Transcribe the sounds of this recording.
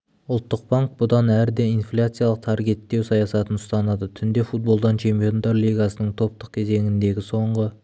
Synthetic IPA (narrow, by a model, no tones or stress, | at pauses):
ʊlˠt̪ːəq̚baŋk̚bʊd̪ɑnæɾd̪eijnflʲat̪sɨijalˠəq̚t̪ʰɑɾɡʲe̞t̪ːe̞wsɑjɑsɑt̪ənʊst̪ɑnɑd̪ət̪ʰʏnd̪e̞fut̪̚bo̞lˠd̪ɑnt͡ʃʰe̞mpijo̞nd̪ɑɾlˠijɡɑsənəɴt̪ʰo̞p̚t̪əq̚kʲʰe̞ze̞ŋʲɪnd̪e̞ɡʲɪso̞ɴʁə